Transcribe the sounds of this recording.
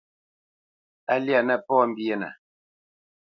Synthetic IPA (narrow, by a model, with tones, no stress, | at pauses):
a˦lja˨nɛ˦˨pɔː˦m̩˦bi˦e˦na̰˨